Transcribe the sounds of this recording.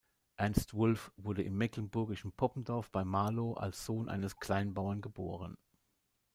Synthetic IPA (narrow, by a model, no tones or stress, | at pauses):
ʔɛɐnstv̥ʊlfv̥ʊɐdəʔɪmːɛklənbʊɐɡɪʃn̩pʰɔpm̩dɔɐfb̥aɪmaːloʔa̰lsz̥oːnʔa̰ɪnəskl̥aɪnbaʊɐnɡəbo̰ːʁ̞ən